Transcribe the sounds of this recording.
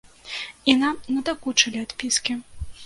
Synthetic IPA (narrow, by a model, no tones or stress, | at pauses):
inamnɐd̪ɐkut͡ʂɐlʲiat̪pʲiskʲi